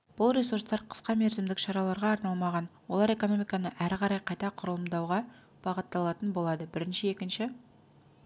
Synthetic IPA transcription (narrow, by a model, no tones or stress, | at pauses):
b̥ʊlˠɾʲe̞surst̪ɑɾqʰə̥sqɑme̞ɾzɪmd̪ɪkʃɑɾɑlˠɑɾʁɑːɾnɑlˠmɑʁɑnwo̞lˠɑɾe̞ko̞no̞mijkɑnəʔæɾqʰɑɾɑjqʰɑjt̪ɑqʰʊɾəlˠəmd̪ɑwʁɑ | b̥ɑʁət̪ːɑlˠɑt̪ənbo̞lˠɑd̪əbɪɾɪnʃɪe̞kʲɪnʃɪ